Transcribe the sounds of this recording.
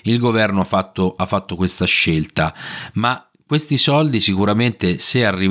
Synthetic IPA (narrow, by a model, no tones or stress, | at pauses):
ilɡovɛrnoafat̪ːoʔafːat̪ːokwest̪aʃːelt̪ama | kwest̪isɔld̪isikuɾament̪esearːi